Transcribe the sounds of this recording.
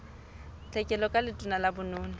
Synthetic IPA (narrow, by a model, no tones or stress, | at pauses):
t͡ɬʼɛkʼɛlɔkʼalɪtʼʊnalabʊnʊːnʊ